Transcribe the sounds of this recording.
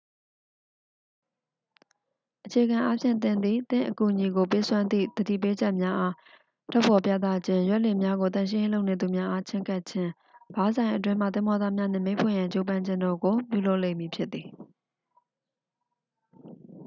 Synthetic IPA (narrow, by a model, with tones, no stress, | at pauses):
ʔət͡ɕʰe˨ɡã˨ʔa˦pʰjɪ̰̃˦˨nt̪̬ɪ̃˨nd̪ðḭ˦˨t̪ɪ̰̃˦˨ʔəku˨ʔɲi˨ɡo˨pe˦swã˦nd̪ðḭ˦˨d̪̥ədḭ˦˨p̬e˦d͡ʑɛ˦ʔmja˦ʔa˦ | tʰɔ˦pʰɔ˨p̬ja˦t̪̬a˦d͡ʑʰɪ̃˦jwɛ˦ʔle˨mja˦ɡo˨t̪ã˦˨ʃ̬ɪ̃˦jẽ˦lo˦ʊʔne˨d̪u˨mja˦ʔa˦t͡ɕʰɪ̃˦ŋka˦ʔt͡ɕʰɪ̃˦ | b̥a˨˦zã˨ɪ̃ʔət̬wɪ̃˦ma̰˦˨t̪ɪ̃˨mɔ˨d̪a˦˨mja˦n̥ɪ̰̃˦˨mẽ˦ɪ̃pʰʊ̰ɪ̃˦˨jã˨t͡ɕo˦pã˦ɲd͡ʑɪ̃˦˨ndɔ˨ɡo˨pjṵ˦˨lo˦ʊʔlḛ̃˦˨mji˨pʰjɪ˦t̪̚ːi˨